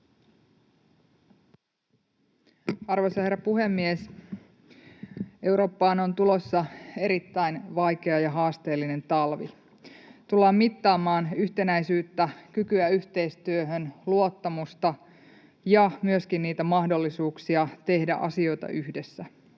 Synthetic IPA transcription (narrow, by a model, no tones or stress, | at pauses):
ɑrʋosɑhe̞rːɑpuɦe̞mːies | e̞wɾo̞ːpːɑːno̞nt̪ulo̞sːɑe̞ɾit̪ːæjnʋɑjke̞ɑjɑɦɑːst̪e̞ːlːine̞nt̪ɑlʋḭ | t̪ulːɑːmmit̪ːɑːmɑːnyçt̪e̞næjsyːt̪ːækykyæyçt̪e̞ijst̪yøɦønluo̞t̪ːɑmust̪ɑ | jɑmyøskinːiːt̪æmɑhdo̞lːisuːksiɑt̪e̞hdæ̰ʔɑ̰sio̞jt̪ɑ̰ʔyhde̞sːæ